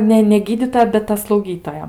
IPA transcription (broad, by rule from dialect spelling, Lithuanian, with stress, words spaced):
ˈnʲɛ nʲɛ ˈɡʲiːdʲiːtoːjɛ bʲɛt ˈtɐ slˠɐʊˈɡʲiːtoːjɛ